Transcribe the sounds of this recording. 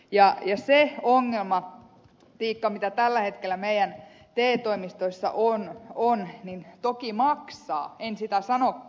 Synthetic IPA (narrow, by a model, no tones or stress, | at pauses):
jɑjɑseoŋːelmɑ | t̪iːkːɑmit̪æt̪ælːæhet̪kelːˑæmeijæn | t̪eːt̪oimist̪oisːɑ̰ʔononnint̪okimɑksɑ̰ːensit̪æsɑnokː